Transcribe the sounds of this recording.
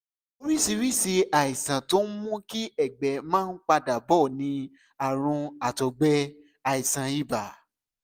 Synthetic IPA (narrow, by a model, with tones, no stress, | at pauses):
o˦ɾi˦si˧ɾi˦si˧a˨i˨sã˨to˨˦mũ˦ki˦ɛ˦˨ɡ͡bɛ˨mãː˦n̩˦k͡pa˧da˨bɔ˦˨nĩ˧ | a˨ɾ̃ũ˧a˨tɔ˨ɡ͡bɛ˧ | a˨i˨sã˨i˦˨ba˨